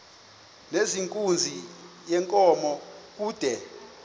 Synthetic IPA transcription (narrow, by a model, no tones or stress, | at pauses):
neziŋkʼund͡zʱi | jɛŋkʼɔmɔk̬uːd̥ʱɛ